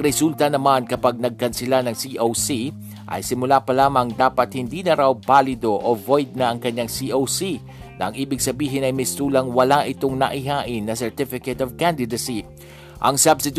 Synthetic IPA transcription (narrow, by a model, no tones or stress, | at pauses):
ɾɛsult̪ɐnɐmankɐpaɡ̚nɐɡ̚kɐnsɪlanɐŋsiʔowsi | ʔɐ̰jsɪmʊlapɐlaːmɐŋd̪aːpɐt̪̚hɪnd̪iːnɐɾawbaːlɪd̪o̞ʔovojd̪̚nɐʔɐŋkɐɲːaŋsiʔowsi | nɐʔɐŋʔiːbɪɡ̚sɐbiːɦɪnɐjmɪst̪uːlɐŋwɐlaʔɪt̪oŋnɐ̰ʔɪɦaːʔɪnːɐsɛɹt̪ɪfɪkɛt̪ovkand̪ɪd̪ɐsi | ʔɐŋsɐbsɪt̪